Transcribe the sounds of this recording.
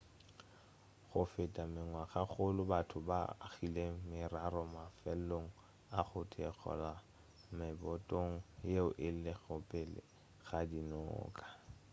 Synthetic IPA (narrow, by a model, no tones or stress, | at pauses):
χʊfɪtʼamɪŋwaχaχʊlʊbatʰʊba̰χilemɪraɾɔmafɛloŋ̩ | aχʊtʰek͡xʰɔ̰la | mɪbɔtʼoŋ̩jeʊʔɪl̩leɣɔpʼɪlɪ̰ | χadinɔ̰ːkʼḁ